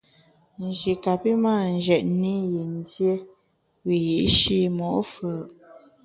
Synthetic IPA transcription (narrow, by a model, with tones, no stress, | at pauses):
n˨ʒi˨ka˨pi˦maː˦˨n̩˨d͡ʒɛ˨t̚ni˦ji˨n˦dje˦ | wi˨ji˨ʔʃi˦mɔ˨ʔfə˨ʔ